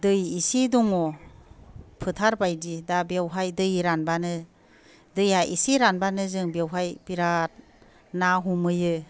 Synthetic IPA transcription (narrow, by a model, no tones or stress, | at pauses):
dɯjisidɔŋɔ | pʰɯtʰaɾbajdidabewɦajdɯjɾanbanɯ | dɯjaʔḭsiɾanbanɯzɯŋbewɦajb̥iɾat̚ | naɦumɯjɯ